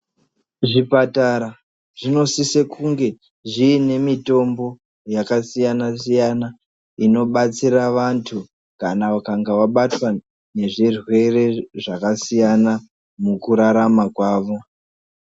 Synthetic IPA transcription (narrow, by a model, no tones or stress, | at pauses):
ʐipataɾa | ʐino̞sisekʰuŋɡe̞ | ʐiːne̞mito̞mbo̞ | jakasijanasijana | ino̞ɓat͡siraʋantʰu | kanaʋakaŋɡaʋaɓatwa | ne̞ʐirwe̞re̞ʐakasijana | mukuɾaɾamakwaːʋo̞